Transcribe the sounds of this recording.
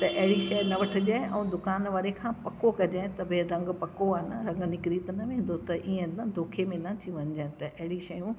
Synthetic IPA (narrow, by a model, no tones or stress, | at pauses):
t̪ɐʔɐɦɪɽiʃɐjnɐʋɐʈʰɪ̆d͡ʑeʔɛ̃ːd̪ʊkaːnʋaːɾekʰãːpɐkokɐd͡ʑãːt̪ɐbʱẽɾɐ̃ŋɡpɐkoaːɦnəɾɐ̃ŋɡnɪkɾit̪ɐnɐʋẽːn̆d̪ot̪ɐʔiːẽnd̪ʱoːkʰemẽnɐt̪ʰiʋɐɲɪd͡ʑaːɦt̪ɐʔɐɦɪɽiʃɐjũ